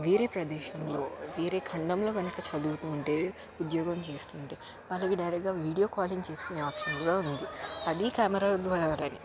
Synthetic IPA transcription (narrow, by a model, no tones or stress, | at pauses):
ʋiːɾeːpɾɐd̪ɛːʃɐmlo̞ːʋiːɾeːkʰɐɳɖɐmlo̞ːɡɐnɐkɐt͡ʃɐd̪uːt̪uːɳʈeː | ud̪jɔːɡɐmt͡ʃe̞ːst̪uːɳʈe̞ː | mɐlːɐkiɖɐjɾɐk̚ɡaːʋiːɖijo̞ːkaːliŋɡt͡ʃe̞ːskuneaːpʂɐnkuɾaːund̪iɐd̪ikaːmɐɾaːd̪ʋɐɾaːɾaːni